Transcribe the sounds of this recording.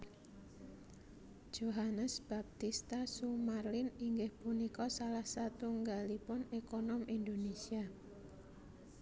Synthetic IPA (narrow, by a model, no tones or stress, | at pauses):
d̥ʒ̥oɦanəsb̥ap̚t̪ist̪asumarlɪniŋɡɪhpunikɔsalahsat̪uŋɡalipʊnekonɔmʔind̪onesia